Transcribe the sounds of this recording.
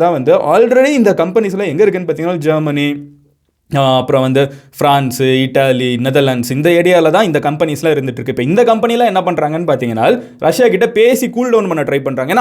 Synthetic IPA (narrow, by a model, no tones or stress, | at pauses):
t̪ãːʋɐnd̪ɯʔa̰ːlɾɛɽiɪnd̪ɐkɐmpɛnislãːɛŋɡɐɪɾɯk̬ːɯnːɯpaːɾiːŋɐnːaːd͡ʒɐːɾmɐni | ɐpːɯɾɔ̃ʋɐnd̪ɯfɾaːnsɪʈːaːlinɛðɐɾlɐɳɖsɪnd̪ɐeːɽɪjaːlɐt̪ãːɪnd̪ɐkɐmpɛnɪslãːɪɾɯnd̪ɯʈːrɾɯkːɯpːeɪnd̪ɐkɐmpɐnɪjlãːɛnːɐp̬ɐɳːɾaːŋɡɐnːɯpaːɾt̪iːŋɡɐna̰ːl | ɾʔɐʂjaːkɪʈːɐpeːsikuːlɖɐʊnpɐnːɐʈɾɐɪʋpɐɳɾaːŋɡɐɛnː